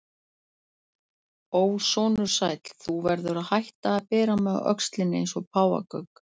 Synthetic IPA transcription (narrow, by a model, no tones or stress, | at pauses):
oːwsɔːnʏɾ̥sajt̪lθuvɛɾðʏɾaðhajht̪aːðpɛːɾamɛðœ̰kst̪lɪnːɪḛjnsɔpʰaːwa̰kœk